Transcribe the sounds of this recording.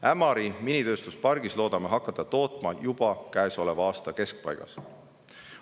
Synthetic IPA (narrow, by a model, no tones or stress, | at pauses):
æmɑɾiminʲit̪ø̞ːst̪uspɑrɡ̥islo̞ːd̪ɑmeɦɑkːɑt̪ːˑɑt̪o̞ːt̪ˑmɑjub̥ɑkæeso̞le̞vɑɑːst̪ɑke̞sk̚pɑ̰jɡ̥ɑ̰s